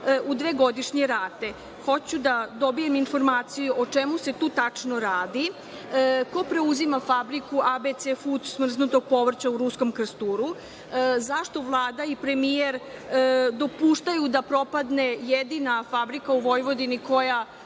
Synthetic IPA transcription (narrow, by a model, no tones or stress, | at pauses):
ud̪ʋeɡo̞d̪iʃɲe̞ɾaːt̪e̞ | xo̞t͡ɕud̪ad̪o̞bije̞minfo̞ɾmaːt̪sijuʔot͡ʃemuse̞t̪uːt̪at͡ʂnoɾaːd̪i | ko̞pɾe̞uzimafabɾikuʔabet̪sefut̪smr̩znut̪o̞ɡ̚po̞ʋr̩t͡ɕauɾusko̞mkɾ̩st̪uːɾu | zaʃt̪o̞ʋlˠaːd̪aipɾe̞mijeɾ | d̪o̞puːʃt̪ajud̪apɾo̞pad̪ne̞jed̪inafabɾikauʋo̞jʋo̞d̪iniko̞ja